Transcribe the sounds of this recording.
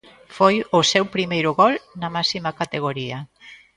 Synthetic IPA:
fojʊsɛwpɾimejɾʊɣɔlnɐmasimakat̪eɣ̞oɾiɐ

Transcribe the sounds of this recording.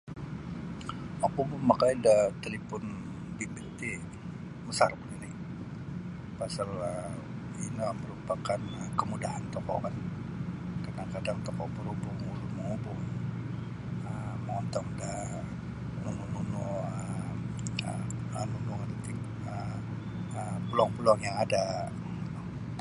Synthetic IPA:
akubʊmakajdat̪əlipʊn | bibit̪e | məsarbuninɪ | pasalə | inaməɾupakanəkəmudahant̪ɔkɔ̰kan | kadaŋkadaŋt̪ɔkɔʔbəɾubʊŋuɾuməŋubʊŋ | əməŋɔnt̪ɔŋda | məŋununuə̰ | anunuŋant̪i | ə | əpulɔŋpulɔŋjaŋada

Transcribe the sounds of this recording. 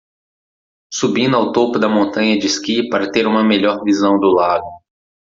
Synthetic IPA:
subĩnd̪ʊawt̪opʊd̪ɐmõnt̪ɐ̃ɲɐd͡ʒɪskipaɾɐt̪eɾũmɐmeʎɔɾvizɐ̃w̃d̪ʊlaɡ̪ʊ

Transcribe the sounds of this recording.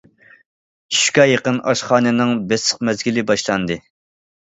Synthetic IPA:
iʃu̥kʲɑjeqənʔɑʃχɑːnɪnɨŋbɛsəqmɛzɡʲilɪbɑʃlˠɑnd̪ɨ

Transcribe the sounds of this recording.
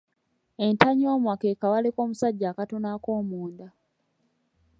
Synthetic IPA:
e̞ntaɲioːmwakekawaleko̞ːmusaɟːaːkato̞nako̞ːmuːnd̪a

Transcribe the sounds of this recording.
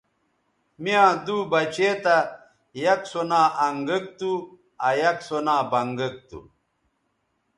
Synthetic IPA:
mijãːd̪uːbɐt͡ɕeːt̪ɐ | jɐksonaːʔɐŋɡək̚t̪u | ɐjɐksonãːbɐŋɡɐk̚t̪ṵ

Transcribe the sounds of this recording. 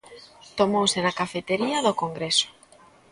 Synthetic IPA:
t̪omowsenakafet̪eɾiɐðokoŋɡɾesʊ̥

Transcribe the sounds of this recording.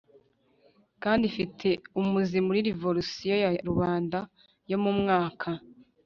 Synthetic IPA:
kaːndifitʰe̞umuzimuɾiɾivoɾusijo̞jaɾuβaːnda | jo̞mumŋaːkʰa

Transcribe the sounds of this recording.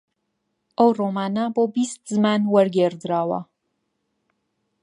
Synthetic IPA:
ʔəwroːmaːnaboːbist̪̚zɨmaːnwɐɾɡeɾd̪ɾaːwɐ̰

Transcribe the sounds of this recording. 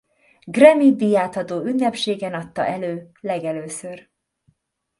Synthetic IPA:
ɡrɛmid̪ijaːt̪hɒt̪oːynːɛpʃeːɡɛnɒt̪ːɒ̰ʔɛløːlɛɡɛløːsør

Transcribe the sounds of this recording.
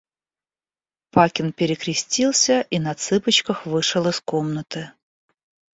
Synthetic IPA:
pakʲɪnpʲɪɾʲɪkɾʲɪsʲtʲilˠsʲəʔinɐt̪sɨpət͡ɕkəxvɨʂɨlˠəskomnət̪ɨ

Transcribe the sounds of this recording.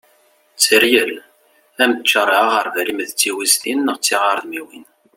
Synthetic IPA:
t͡sːəɾjəl | æmət͡ʃːəɾˤɑʁəɾˤðæɾimðt͡sːiwizt̪inːəʁt͡sːiʁaɾˤðmiwin

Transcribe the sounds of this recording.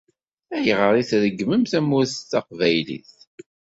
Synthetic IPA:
æjəʁəɾˤiθðəɡːməmθæmːʊθθɑqvæjlḭθ

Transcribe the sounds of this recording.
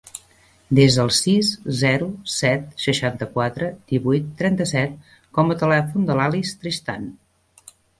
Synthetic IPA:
d̪ezðəlˠsiszɛɾusɛt̪̚səʃant̪əkwat̪ɾəd̪̥iβujt̪ːɾɛnt̪əsɛt̪̚ | kɔmət̪əlɛfund̪əlalist̪ɾist̪an

